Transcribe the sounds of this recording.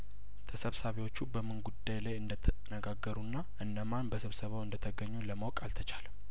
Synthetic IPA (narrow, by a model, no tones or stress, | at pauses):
t̪ʰəsəβsaβiewo̞t͡ʃːubəmːɨnɡud̪ːajlajɨnd̪ət̪ʰənəɡaɡːəɾunːaʔɨnːəmanbəsəβsəβawɨnd̪ət̪ʰəɡəɲːuləmawkʼalt̪ʰət͡ʃʰaləm